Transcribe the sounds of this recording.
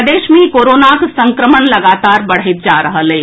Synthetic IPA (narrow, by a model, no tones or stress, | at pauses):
d̪eːʃmẽkoːɾoːnaksɐ̃ŋkɾəməɳlɐɡaːt̪aːɾbɐɽ̤ɪt̪̚d͡ʒaːɾəɦəleː